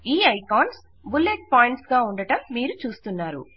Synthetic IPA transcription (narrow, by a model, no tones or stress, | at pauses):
iːɐjkaːns | bulːeʈ̚paːjiɳʈsɡaːuɳɖɐʈɐmːiːɾut͡ʃuːst̪unːaːɾṵ